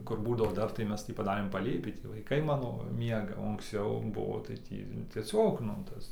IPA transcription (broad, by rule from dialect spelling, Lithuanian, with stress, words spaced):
ˈkʊr ˈbuːdɐʋoː ˈdɐr tɐɪ ˈmʲɛs tʲiː pɐˈdɑːrʲeːm pɐˈlʲeːpʲiː ˈtʲiː ʋɐɪˈkɐɪ ˈmɑːnoː ˈmʲiɛɡɐ oː ɐŋksʲˈt͡sʲɛʊ ˈbʊʋoː tɐɪ ˈtʲiː tʲiɛˈsʲoːk nʊ ˈtɐs